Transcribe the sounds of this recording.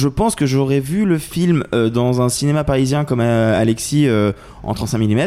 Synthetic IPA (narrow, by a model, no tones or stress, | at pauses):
ʒəpɑ̃skəʒɔʁɛvyləfilmød̪ɑ̃zɛ̃sinemapaʁizjɛ̃kɔmaa̰lɛksiø | ɑ̰̃t̪χɑ̃t̪sɛ̃milimɛt̪